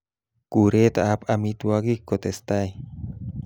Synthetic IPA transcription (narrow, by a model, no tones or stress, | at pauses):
kuɾet̪aʔapamit̪uakikːot̪est̪ai